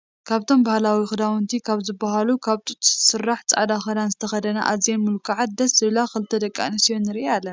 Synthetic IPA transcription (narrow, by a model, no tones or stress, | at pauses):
kʰaβt̪ʰo̞mbahlawixɨd̪awɨnt̪ʰikʰaβzɨbːaɦalukʰaβt̪ʼut̪ʼsɨrːaħt͡sʼa̰ʕd̪axɐd̪anzɨt̪ʰɐxɐd̪ɐna̰ʔazjenmɨlkʰaʕat̪̚d̪ɐsɨβlaxɨlɨt̪ʰɐd̪ɐkʼːa̰nɐsijonːɨɾealːɐna